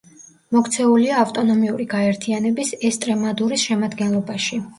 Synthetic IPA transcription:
mɔkʰt̪sʰɛuliaːft̪ʼɔnɔmiuɾiɡaɛɾt̪ʰianɛbisɛst̪ʼɾɛmad̪uɾisʃɛmad̪ɡɛnlˠɔbaʃi

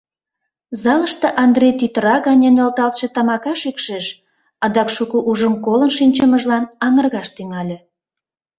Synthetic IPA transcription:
zɑləʃt̪ĕʔɑnd̪rejt̪yt̪əɾɑɣɑnʲenolt̪ɑlt̪ʃĕt̪ɑmɑkɑʃykʃeʃ | ɑd̪ɑkʃukuʔuʒəmkolənʃinʲt͡ɕəməʒlɑnɑŋərɣɑʃt̪yŋɑlʲĕ

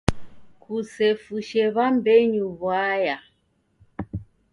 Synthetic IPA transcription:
kʰusɛfuʃɛβambɛɲuβwaja

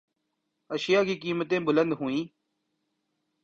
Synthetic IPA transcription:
əʃɪjaːkiːkiːmət̪ẽːbʊlə̃nd̪ɦʊĩː

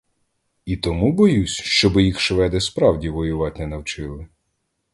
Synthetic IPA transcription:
it̪ɔmubɔjusʲʃt͡ʃɔbɪjixʃʋɛd̪ɛspɾɑwdʲiʋɔjʊʋɑt̪ʲnɛnɐwt͡ʃɪlˠɪ

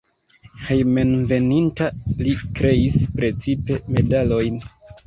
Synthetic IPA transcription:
hejmenve̞nintalikɾe̞ispɾe̞t͡sipe̞me̞dalo̞jn

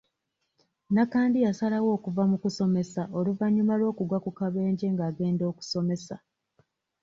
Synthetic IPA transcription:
nakaːndijasalawo̞ːkuvamukuso̞me̞saoluvaɲːumalo̞ːkuɡwakukaβe̞ːɲɟe̞ŋɡaːɡe̞ːndo̞ːku̥so̞me̞sa

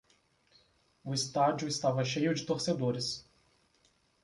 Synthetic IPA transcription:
ʊɪst̪ad͡ʒʊɪst̪avɐʃejʊd͡ʒɪt̪oɾsed̪oɾɪs

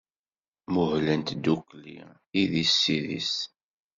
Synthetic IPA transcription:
mʊhlənt̪d̪ːuklḭ | iðisːiðḭs

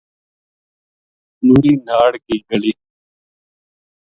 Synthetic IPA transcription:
nuːɾiːnaːɽɡiːɡəliː

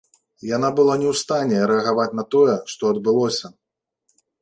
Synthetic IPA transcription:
janabɨlˠanʲɛwst̪anʲɛɾɛɐɣavat͡sʲnɐt̪ɔjɛʂt̪ɔɐd̪bɨlˠɔsʲɐ

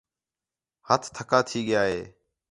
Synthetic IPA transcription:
hət̪ʰt̪ʰəkaːt̪ʰiːɠɪjaːɦḛː

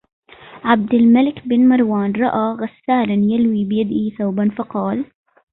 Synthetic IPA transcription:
ʕab̚d̪ɪlmalɪkbɪnmɑɾˤwaːnɾˤɑʔaːɣasːaːlanjalwiːbɪjad̪iθawbanfɑqɑːl

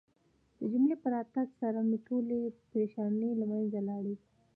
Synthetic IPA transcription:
d̪̥əd͡ʒʊmlepəɾat̪aɡsaɾamiʈʰolepɾeʃɑnelamanzalɑɽi

